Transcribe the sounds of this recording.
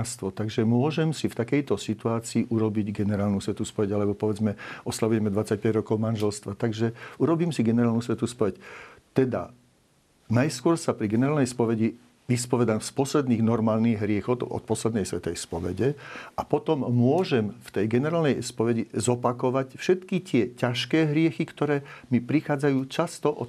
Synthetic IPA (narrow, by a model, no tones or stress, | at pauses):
st̪ʋɔt̪aɡʒɛmʊɔʒɛmsift̪akɛjt̪ɔsit̪uaːt͡siːʔuɾɔbiɟɡɛnɛɾaːlnusʋɛt̪uspɔʋɛɟalɛbɔpɔʋɛd͡zmɛɔslaʋujɛmɛd̪ʋat͡sac̚pɛɟɾɔkɔʊmanʒɛlst̪ʋat̪aɡʒɛuɾɔbiːmsiɡɛnɛɾaːlnusʋɛt̪uspɔʋɛct̪ɛd̪a̰ | najskʊɔɾsapɾiɡɛnɛɾaːlnɛjspɔʋɛɟi | ʋispɔʋɛd̪amspɔslɛd̪niːɣnɔɾmaːlniɣɦɾɪɛxɔʊt̪ɔ̰t̪̚pɔslɛd̪nɛjsʋɛt̪ɛjspɔʋɛ̰ɟɛapɔt̪ɔmːʊɔʒɛmft̪ɛjɡɛnɛɾaːlnɛjspɔʋɛɟizɔpakɔʋacfʃɛt̪kit̪ɪɛcaʃkɛːɦɾɪɛxikt̪ɔɾɛːmipɾixaːd͡zajuːt͡ʃast̪ɔʔɔ